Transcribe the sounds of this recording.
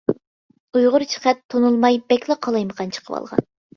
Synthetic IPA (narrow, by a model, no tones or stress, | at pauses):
ujʁʊɾt͡ʃʰə̥χɛt̪ʰːonulˠmɑjbɛkʲlˠɑqʰɑlˠɑjməqʰɑnt͡ʃʰə̥qʰəwɑ̰lˠʁɑ̰n